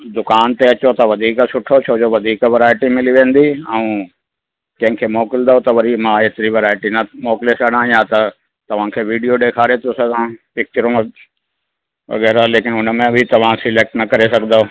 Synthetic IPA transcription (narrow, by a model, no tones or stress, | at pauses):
d̪ʊkaːnt̪eɐt͡ɕot̪ɐʋɐd̪ʱiːksʊʈʰot͡ɕʰoːd͡ʑoʋɐd̪ʱiːkʋɪɾaːɪʈimɪliʋẽːn̆d̪iɛ̃ũ | kɐ̃ɦɪ̃kʰeːmoːkɪld̪aot̪ɐʋɐɾimãeːt̪ɪɾiʋɪɾaːɪʈinɐmoːkɪlesɐɽ̤̃ãjat̪ɐ | t̪ɐʋ̤ãkʰeːʋiːɖijoɖeːkʰaːɾet̪ʰosɐɡãpɪk̚t͡ɕəɾomẽ | ʋɐ̰ɣɛːɾaleːkɪnʊnəmẽbʱɪt̪ɐʋ̤ãsɪleːk̚ʈnɐkɐɾesɐɡʱə̃nd̪o